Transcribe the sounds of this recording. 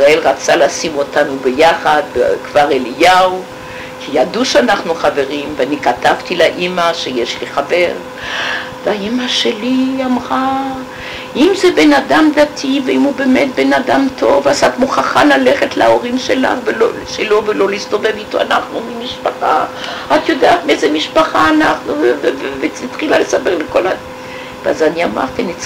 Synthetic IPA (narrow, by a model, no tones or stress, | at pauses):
sʁae̞lʁat͡salaːsimotanubejaχad̪̚kv̥aʁelijau | kʰijaduʃeanaχnuχave̞ʁimveanikatavt̪ilaʔimaʃejeʃliχave̞ʁ | veaimaʃeliamʁa | ʔimzebenad̪amd̪atʰiveimubemet̪benad̪amt̪ʰo̞vazat̪muχaχalaleχetlaoʁimʃela̰χveloʃelo̞velo̞liist̪o̞vevit̪oa̰naχnumimiʃpaχaat̪jo̞d̪eat̪mezemiʃpaχaːnaχnuvvevveit̪χilalesabeʁleko̞la | vazaniama̰ʁt̪ini